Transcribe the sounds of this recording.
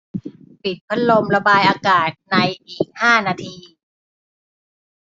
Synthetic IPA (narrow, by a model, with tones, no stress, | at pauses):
pi˨˩t̪̚pʰa˦˥t̪̚lo˧mɾa˧baː˧jʔaː˧kaː˨˩t̪̚na˧jʔiː˨˩k̚haː˥˩naː˧t̪ʰiː˧